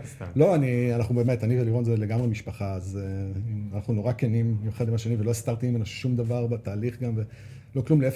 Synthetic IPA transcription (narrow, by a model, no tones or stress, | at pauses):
lo̞anianaχnubeːme̞taniveliʁonzeleɡamʁemiʃpaχaːzeanaχnuno̞ʁakenimjuχed̪imaʃenivelo̞ist̪aʁt̪iimenaʃe̥ʃumd̪avaʁbet̪aːliχɡamve̞ | lo̞klumleef